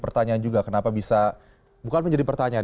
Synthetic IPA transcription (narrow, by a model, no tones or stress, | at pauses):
pərt̪aɲaːnd͡ʒuɡakənapabisa | bukanməɲd͡ʒadipərt̪aɲaa